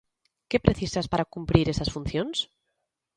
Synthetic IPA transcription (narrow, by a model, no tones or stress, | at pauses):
kepɾeθisaspaɾakumpɾiɾesasfun̟θjons